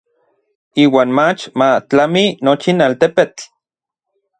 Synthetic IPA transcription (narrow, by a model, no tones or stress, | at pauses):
iːwaːnmat͡ʃmat͡ɬaminot͡ʃinalt̪epet͡ɬ